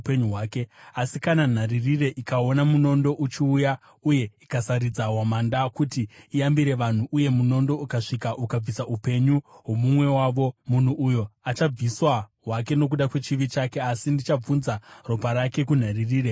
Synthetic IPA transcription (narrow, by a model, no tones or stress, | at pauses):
peɲuɦwaːke̞asikanan̤aririre̞ʔikao̞namuno̞ndo̞ʔut͡ʃiuja | uje̞ikasaɾid͡zawamandakutiːambiɾe̞ʋan̤uʔuje̞muno̞ndo̞ukaʂikaʔukab͡visaupe̞ɲuɦwo̞mumwe̞waʋo̞mun̤uʔujo̞at͡ʃab͡viswaɦwak̬e̞no̞k̬uɗakwe̞t͡ʃiʋit͡ʃake̞asindit͡ʃab͡vunzaro̞paɾake̞kun̤aririːɾe̞